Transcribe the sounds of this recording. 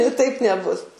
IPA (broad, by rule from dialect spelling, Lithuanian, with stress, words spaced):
tɐɪp nʲɛˈbʊs